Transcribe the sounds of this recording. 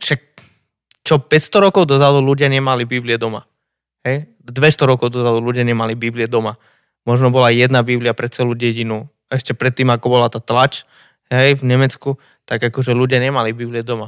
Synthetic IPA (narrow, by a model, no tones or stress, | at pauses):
ʃak̚ | t͡ʃɔpɛcst̪ɔɾɔkɔʊd̪ɔzad̪uluɟɪaɲɛmalibibliɛd̪ɔma̰ | hɛj | d̪ʋɛst̪ɔɾɔkɔʊd̪ɔzad̪uluɟɪaɲɛmalibibliɛd̪ɔma | mɔʒnɔbɔlajɛd̪nabibliɪapɾɛt͡sɛluːɟɛɟinu | ɛʃcɛpɾɛt̪ːiːmakɔbɔlat̪aːt̪lat͡ʃ | ɦɛjvɲɛmɛt͡sku | t̪aɡakɔʒɛluɟɪaɲɛmalibibliɛd̪ɔma